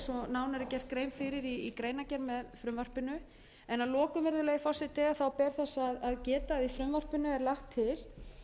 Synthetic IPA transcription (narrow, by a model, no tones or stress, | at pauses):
sɔnaːwnaɾɪcɛr̥t̪̚kɾejmfɪɾɪɾiikɾeːjnacɛɾmɛðfɾʏmvar̥pɪnʏ | ɛnalɔːkʏmɛɾðʏlɛɣɪfɔrsɪt̪ʰːɛɣaθawpɛɾ̥θɛsːaðaðcɛːt̪aðifɾʏmvar̥pɪnʏɛɾlaxt̪ʰːɪl